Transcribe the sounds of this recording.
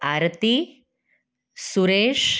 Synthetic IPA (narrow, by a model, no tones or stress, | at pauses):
aɾt̪i | suɾeːʂ